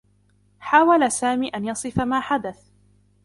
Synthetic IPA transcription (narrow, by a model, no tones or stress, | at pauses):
ħaːwalasaːmiːʔanjɑsˤɨfamaːħad̪aθ